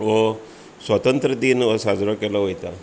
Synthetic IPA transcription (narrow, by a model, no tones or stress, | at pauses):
ʋo | sʋət̪ənt̪ɾəd̪iːnosad͡zɾɔkelɔɦojt̪a